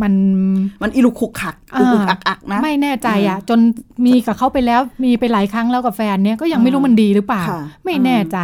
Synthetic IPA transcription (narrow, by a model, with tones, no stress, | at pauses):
ma˧nma˧nʔi˧lu˧˩kʰu˨˧˩kʰːa˨˩k̚ʔaː˧kʔa˨˩k̚ʔa˨˩k̚n˦ma˥˩jnɛː˥˩t͡ɕa˧jʔa˨˩t͡ɕo˧nmiː˧ka˨˩kʰa˥˩wpa˧jlɛː˦˥wmiː˧pa˧jlaː˩˦jkʰɾa˦˥ŋlɛː˦˥wka˨˩fɛː˧nːi˥˩ɐkɔː˥˩ja˧ŋma˥˩jɾuː˦˥ma˧ndiː˧ɾɯː˦˥paː˨˩wma˥˩jnɛː˥˩t͡ɕa˧